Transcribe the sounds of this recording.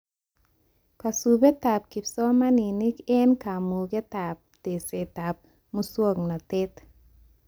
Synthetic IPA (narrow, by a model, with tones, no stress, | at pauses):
ka˨subɛ˦t̪a˨p̚ki˨psɔ˦ma˦ni˨nɪ˦ke˦nka˨mu˨ɡe˦t̪a˨p̚t̪e˨se˨t̪a˨p̚ | muswo˦˨ŋna˨t̪ɪ˦t̪